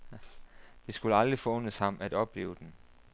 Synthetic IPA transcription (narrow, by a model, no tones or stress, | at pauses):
d̥e̝sɡ̥uləɑld̥ʁifɒ̽ɔ̽n̰əshɑ̈m̰æd̥ɒ̽b̥le̝̰ːʊd̥en